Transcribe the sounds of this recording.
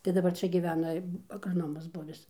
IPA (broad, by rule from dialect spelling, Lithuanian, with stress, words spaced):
tɐɪ dɐˈbɐr ˈt͡ʃʲɛ ɡʲɪˈʋʲæːnɐ ɐɡrɐˈnoːmɐs ˈbʊʋʲɪs